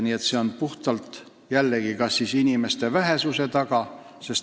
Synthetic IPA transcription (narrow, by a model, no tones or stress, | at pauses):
niːe̞t̪se̞o̞npuht̪ɑlt̪ˑ | jælːe̞ɡ̥ikɑsːisinʲime̞st̪e̞væɦe̞suse̞t̪ɑɡ̥ɑ | se̞s